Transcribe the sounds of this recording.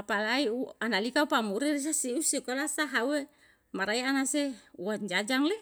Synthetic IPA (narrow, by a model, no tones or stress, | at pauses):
apalaiuanalikaupamuɾirs̬asiusikolasaɦaue | maɾaianaseuwaɲd͡ʒad͡ʒaŋle